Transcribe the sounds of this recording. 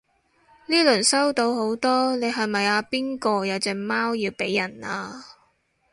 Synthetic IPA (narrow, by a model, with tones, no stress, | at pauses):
liː˥lɵ˨˩nsɐ˥wt̪o˨˧who˨˥wt̪ɔː˥ne˨˧jɦɐ˨jmɐ˨jaː˧piː˥nkɔː˧jɐ˨˧wt͡sɛː˨˧kmaː˥wjiː˧wpe˨˥jːɐ˨˩naː˧